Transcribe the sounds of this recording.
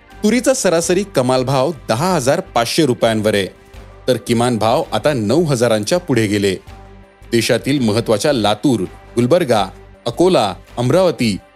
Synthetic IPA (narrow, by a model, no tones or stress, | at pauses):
t̪uɾit͡sasəɾasəɾiːkəmalbʱaʋd̪əɦaɦəd͡zaɾpat͡sɕeɾupjãnʋəɾe | t̪əɾkimanbʱaʋat̪anəwɦəd͡zaɾãɲt͡ɕjapuɽ̤eɡele | d̪eɕat̪iːlməɦət̪ːʋat͡ɕjalat̪uːɾɡulbəɾɡaəkolaəmɾaʋət̪iː